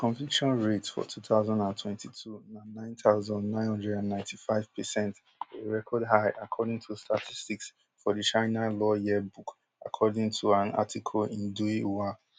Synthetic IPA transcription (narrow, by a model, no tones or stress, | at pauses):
kʰɔ̃ɱfikʃɔ̃nɹetfɔ̰tʰutaʊzãndãntʰwɛ̃ntitʰunanãɪ̃ntaʊzɔ̃ndnãɪ̃nhɔ̃ndɹɛdãnːãɪ̃ntifaɪv̥pʰɛsɛ̃nt | eɹɛkʰɔdɦaɪʔakʰɔdĩŋtʰustʰatʰistiks | fɔdit͡ʃãɪnalɔjibuk | a̰kʰɔdĩŋtʰuãna̰tʰikʰɔlĩnduiwa